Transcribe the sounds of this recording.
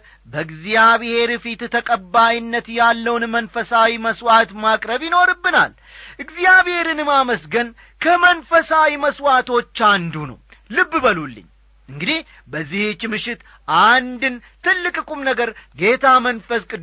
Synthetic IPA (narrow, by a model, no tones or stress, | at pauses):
bəɨɡzjaβhe̞ɾfit̪t̪ʰəkʼəbːajnːət̪jalːəwnmənfəsawiməswat̪makʼɾəβjɪno̞ɾɨbːɨna̰l | ʔɨɡzijaβhe̞ɾɨnmaməsɡən | kʰəmənfəsawiməswat̪ʰo̞t͡ʃːand̪unə̰w | lɨbːbəlulːɨ̰ɲː | ʔɨŋɡɨd̪ih | bəzːihɨt͡ʃːmɨʃɪt̪ | ʔand̪ɨn | t̪ʰɨlːɨkʼɨkʼumnəɡəɾɡe̞t̪ʰamənfəskʼɨ